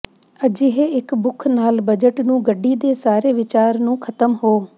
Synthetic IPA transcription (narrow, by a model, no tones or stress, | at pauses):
əd͡ʒɪɦeɪkbʊkʰnaːlbəd͡ʒəʈnũːɡəɖːiːd̪eːsaːɾeːʋɪt͡ʃaːɾnũːkʰət̪əmɦoː